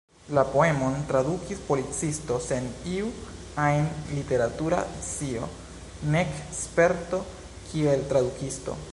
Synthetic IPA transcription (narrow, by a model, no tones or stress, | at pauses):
lapo̞e̞mo̞ntɾadukispolit͡sisto̞se̞niu | ajnlite̞ɾatuɾa̰t͡sio̞̰ | nekspe̞ɾto̞ | kʰie̞ltɾadukisto̞̰